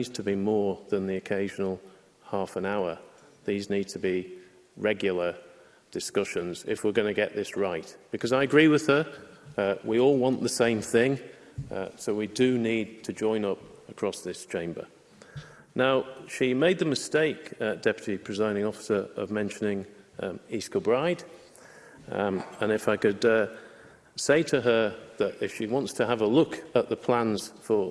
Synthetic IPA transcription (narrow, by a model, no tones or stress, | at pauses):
z̥tʰəbimɔɹðə̃nðiɨkʰeɪʒənəl̩ˠ | hɑˑfə̃naʊə˞ | ðiznid̚tʰəbi | ɹɛɡjl̩ˠə | d̥ɨskʌʃə̃nzɪ̰fwɪɹɡʌnɨɡɛʔðɪsɹaɪʔb̥ɨkʰʌzaɪɨɡɹiwɪð̥ə | wiɔlˠwɒ̃nʔðəsẽɪ̃mθɪ̃ŋ | soʊwidɨnid̚tʰɨd͡ʒɔ̃ɪ̃nʌpəkʰɹ̥ɒsðɪst͡ʃʰẽɪ̃mbə̰˞ | naʊʃimeɪd̪̚ðəmɨsteɪkd̥ɛpjɨɾipʰɹ̥ɨzãɪ̃nɪ̃ŋɔfɪ̥sə˞ə̰vmɛ̃nʃənɪ̃ŋ | iskəbɹaɪd | ə̃nɨfaɪkɨd | seɪtʰəə˞ðəɾɪfʃiwɑ̃ntstʰəəvəlʊkəʔ̪̚ðəpʰl̥ãnz̥fə